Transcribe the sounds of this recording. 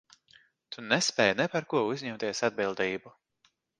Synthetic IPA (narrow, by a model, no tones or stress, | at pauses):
t̪ʰunɛspɛːjnɛpaɾkuɔuzʲɲɛmt̪iɛsad̪̚bilˠd̪iːbu